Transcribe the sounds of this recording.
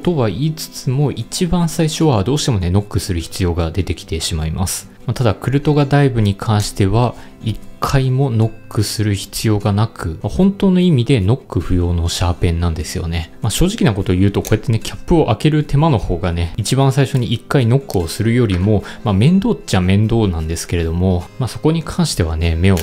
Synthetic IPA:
t̪o̞βaiːt͡sɨ̥t͡sɨmo̞ʔit͡ɕibãɰ̃saiɕo̞βad̪o̞ːɕi̥t̪e̞mo̞ne̞no̞kːɯ̟sɨɾɯ̟çi̥t͡sɨjo̞ːɡad̪e̞t̪e̞kʲi̥t̪e̞ɕimaimʔa̰sɨ̥ | mat̪ad̪akɯ̟ɾɯ̟t̪o̞ɡad̪aibɯ̟ɲ̟ikʰãɰ̃ɕi̥t̪e̞βa | ikʰːaimo̞no̞kːɯ̟sɨɾɯ̟çi̥t͡sɨjo̞ːɡanakʰɯ̟mahõnt̪o̞ːno̞imʲid̪e̞no̞kːɯ̟ɸɯ̟jo̞ːno̞ɕaːpẽ̞nːãnd̪e̞sɨjo̞̰ne̞maɕo̞ːʑikʲinako̞t̪o̞jɯ̟ːt̪o̞ko̞e̞t̪ːe̞ne̞kʲʰḁpːɯ̟o̞ʔake̞ɾɯ̟t̪e̞mano̞ho̞ːɡane̞it͡ɕibãɰ̃saiɕo̞ɲ̟iʔikːaino̞kːɯ̟o̞sɨɾɯ̟jo̞ɾʲimo̞mamẽ̞nd̪o̞ːt͡ɕamẽ̞nd̪o̞ːnãnd̪e̞sɨ̥ke̞ɾe̞d̪o̞mo̞maːso̞ko̞ɲ̟ikʰãɰ̃ɕi̥t̪e̞β̞a̰ne̞me̞o̞

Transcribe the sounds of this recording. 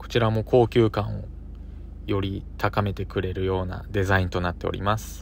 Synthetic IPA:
ko̥t͡ɕiɾamo̞kʰo̞ːkʲɨːkãɰ̃o̞̰ | jo̞ɾʲit̪ʰakame̞t̪e̞kɯ̟ɾe̞ɾɯ̟jo̞ːna̰d̪e̞zaĩnt̪o̞nat̪ːe̞o̰ɾʲḭmasɨ̥

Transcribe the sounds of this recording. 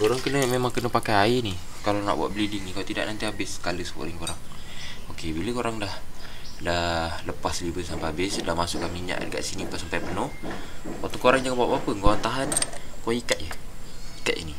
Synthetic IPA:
koɾaŋkənəmemaŋkənəpakajaini | kalana̰ʔbwa̰ʔbəlidiŋnikaawt̪ida̰ʔnant̪iabɪsːə̥kaləsəko̰ʔɾiŋkoɾaŋokebiləkoɾaŋdahdahləpasəlibəsampajabɪsdahmasʊkːamiɲa̰ʔdəka̰ʔsinipaʔsampajpənʊhat̪ɔkoɾaŋd͡ʒaŋabaʔbapəŋoant̪aɦankoikat̪̚jəikat̪̚ḭni

